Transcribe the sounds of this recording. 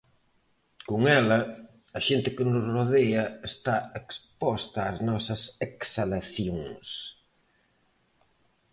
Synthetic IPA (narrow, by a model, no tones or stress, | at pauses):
koŋɛlɐ | ɐʃent̪ɪkɪnʊsroðeɐest̪aekspɔst̪ɐːznɔsɐseksalaθjoŋs